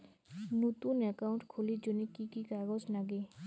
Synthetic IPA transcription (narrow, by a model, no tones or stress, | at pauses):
nut̪unəkaʊ̃ɳʈkʰulid͡ʒʊnikikikaɡɔd͡ʒnaɡe